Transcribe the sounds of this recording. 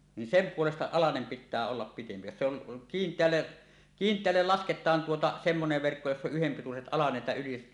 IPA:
ni sem puolestɑ ɑlɑnem pitˑæː olːɑp pitempi jos se on kiːntˑeælːe kiːntˑeælːel lɑsketˑɑːn tuotɑ semːoneʋ ʋerkːo josː oʔ ʔyhempituset ɑlɑset jɑ yliset

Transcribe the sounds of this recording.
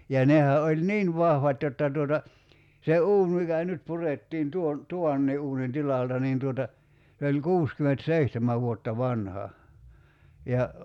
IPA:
jɑ nehæ olʲ niːn ʋɑhʋɑt jotːɑ tuotɑ se uːn mikæ nyt puretːiːn tuon tuʋɑnːiː ʔuːnin tilɑltɑ niːn tuotɑ se olʲ kuːskymentseihtemæ ʋuotːɑ ʋɑnhɑ jɑ

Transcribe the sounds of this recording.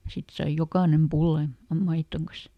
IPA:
sit sɑij jokɑˑnem pulːɑn̞ jɑ mɑitːoŋ kɑs

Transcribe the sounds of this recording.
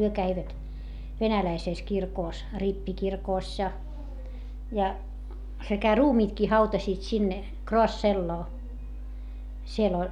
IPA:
hyø kæiʋæt ʋenælæiseˑs kirkoˑs ripːikirkoˑsʲ jɑ jɑ sekæ ruːmiːtkiː hɑutɑsiːt sinːe kroɑsːelːoː siel

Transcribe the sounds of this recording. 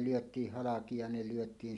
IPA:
lyøtˑiːh hɑlɑki jɑ ne lyøtˑiːn

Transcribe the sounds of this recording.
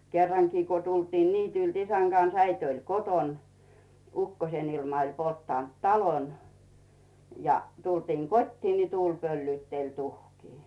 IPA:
kerːɑŋkiː ku tultiːn niːtylt isæŋ ɡ̊ɑns æit olʲ koton ukːosen ilmɑ olʲ poltːɑˑnt tɑlon jɑ tultiːŋ kotʲtiː ni tuːlʲ pølːyːtːelʲ tuhkiː

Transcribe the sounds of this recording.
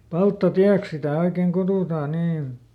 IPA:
pɑltːɑtiæks sitæˑ oikeŋ kutuˑtɑː niːn̞

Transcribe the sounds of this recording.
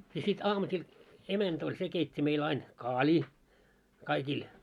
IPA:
jɑ sit ɑːmusil emænt olʲ se keitʲːi meil ɑin kɑːlʲiː kɑikil

